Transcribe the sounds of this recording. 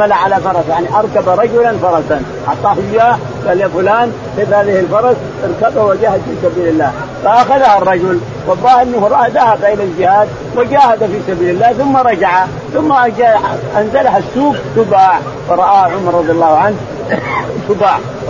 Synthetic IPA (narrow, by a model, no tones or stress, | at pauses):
alaʕalafɑɾˤɑsjaʕniʔɑɾˤkabaɾˤɑd͡ʒʊlanfɑɾˤɑsanʔɑ̰ʕt̪ˤɑːhʊjaːh | ɡaljafʊlaːn | ħeːt̪haːðɪhɪlfɑɾˤɑs | ʔɑɾˤkab̪awad͡ʒahad̪fiːsabiːlɪlːaː | faʔaxaðaharˤːɑd͡ʒʊl | wɑlˤːɑːhʔɪnːahɾˤʔaðahabaʔɪlald͡ʒɪhaːd̪̚ | wad͡ʒaːhad̪afiːsabiːlɪlːaːhθʊmːaɾˤɑd͡ʒaʕa | θʊmːaʔd͡ʒaʔanzalahasːuːɡt̪ʊbaːʕ | fɑɾˤɑʔaːʕʊmɑɾˤːɑd̪ˤjɑlːɑːhʕanh | t̪ʊbaːʕ